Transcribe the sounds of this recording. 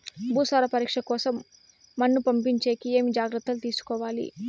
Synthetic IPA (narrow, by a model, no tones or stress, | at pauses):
bʱuːsaːɾɐpɐɾiːkʂɐkɔːsɐmː | ɐnːupɐmpiɲt͡ʃe̞ːkie̞ːmid͡ʒaːɡɾɨt̪ːɐlut̪iːsu̥kɔːʋaːlḭ